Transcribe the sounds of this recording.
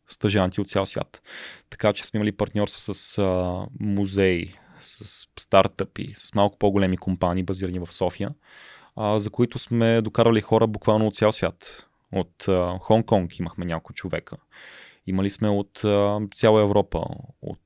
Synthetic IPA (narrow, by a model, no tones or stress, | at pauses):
st̪ɐʒant̪ʲiot̪t̪sʲjalˠsvʲja̰t̪ːɐ̥kat͡ʃɛ̥smɛiməlipɐɾt̪nʲɔɾst̪vəsəsəmuzɛi | sɐsːt̪aɾt̪əpḭsə̥smalˠkʊ̥poɡolɛmikompaniːbɐziɾənivɐfsɔfijə | zɐkoit̪ʊsmɛd̪okaɾvəlixɔɾʔəbukvalˠnot̪sʲalˠsvʲjat̪ | ot̪xɔŋkɔŋkiməxmɛɲʲakkʊt͡ʃovɛ̰kʰə | iməlismɛot̪əsʲjalˠəɛvɾɔpə̰o̰t̪